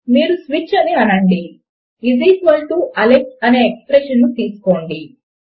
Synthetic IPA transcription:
miːɾusʋit͡ʃɐniɐnɐɳɖi | idisʋɐlʈuʔɐlek̚ʈɐne̞ːekspɾeːʃɐnːut̪iːsu̥ko̞ːɳɖi

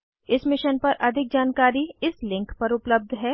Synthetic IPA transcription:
ɪsmɪʃənpɐɾʔɐd̪ʱɪk̚d͡ʒaːnkaːɾiɪslɪ̃ŋkpɐɾʊpləb̚d̪ʱɦɛː

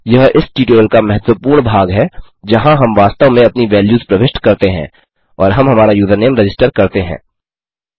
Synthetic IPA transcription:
jɐɦɪsʈiːʈoːlkamɐɦɛt̪wʋəpuːɾɳbʱaːɡɦɛ | d͡ʒɐɦãɦɐmʋaːst̪əʋmẽɐpniʋɛːljuːzpɾɐʋɪʃʈkɐɾt̪eɦɛ̰̃ː | ɔːɾɦɐmɦɐmaːɾajuːd̪ʱəneːmɾɐd͡ʒɪsʈəɾkɐɾt̪eɦɛ̰̃ː

